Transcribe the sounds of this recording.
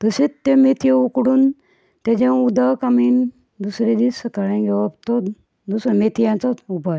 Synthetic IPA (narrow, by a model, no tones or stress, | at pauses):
t̪əset̪ːẽmet̪ʰijeukɽuːn | t̪ed͡ʑẽud̪akamiːn | d̪usɾed̪isəkaɾãɡʱɛʋapt̪ɔ | d̪usɾmet̪ʰijãnt͡saubʱaj